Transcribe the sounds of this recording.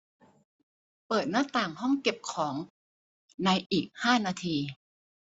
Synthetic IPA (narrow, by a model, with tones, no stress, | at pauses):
pɤː˨˩t̪̚naː˥˩t̪aː˨˩ŋhɔ˥˩ŋke˨˩p̚kʰɔː˩˦ŋ | na˧jʔiː˨˩k̚haː˥˩naː˧t̪ʰiː˧